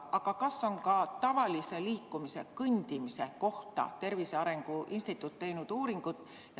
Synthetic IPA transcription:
ʔɑɡɑkɑso̞nkɑt̪ɑvɑlise̞liːkːˑumise̞kɤnʲd̪̥imise̞ko̞ht̪ɑ̰t̪e̞rviseɑɾe̞ŋɡ̥uʔinst̪it̪ːˑut̪ːe̞jnud̪̥uːɾiŋɡ̥ud̪̥ | j

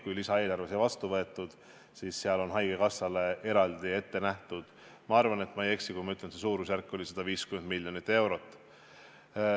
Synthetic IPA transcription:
kujlisɑe̞ːlɑrvesjɑvɑst̪uvɤ̞e̞t̪ːˑud̪̥ | siːsseɑlo̞nɦɑjɡ̥ekɑsːɑle̞e̞ɾɑld̪̥ie̞t̪ːe̞næht̪ud̪̥ | mɑɑrvɑne̞t̪ːˑmɑje̞ksikujmɑyt̪lenses̬uːɾusjærkːˑo̞lʲised̪̥ɑviːskymend̪̚milʲjo̞nit̪ːˑe̞wɾo̞t̪ːˑ

